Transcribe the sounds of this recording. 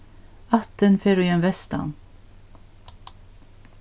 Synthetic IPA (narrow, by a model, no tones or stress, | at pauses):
ɑt̪ənfeːɾʉːjɛnʋɛst̪ɑ̰n